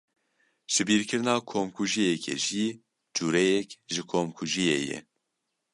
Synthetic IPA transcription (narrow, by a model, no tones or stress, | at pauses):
ʒ̥ɨbiːɾkʰɨɾnɑːkʰomkʰuʒijɛkʰɛ̰ʒi | d͡ʒuːɾɛjɛkʒɨkʰomkʰuʒijḛːjɛ̰